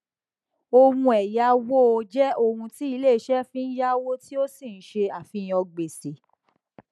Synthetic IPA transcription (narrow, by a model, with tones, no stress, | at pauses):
o˧hũ˧ɛ˨ja˧˦wo˦o˧d͡ʒɛ˦o˧hũ˧ti˦i˧le˦˨ʃɛ˦fĩ˦n̩˦ja˦wo˦ti˦o˦si˦˨n̩˦ʃe˧a˨fĩ˧j̃ɔ̃˧ɡ͡be˨se˨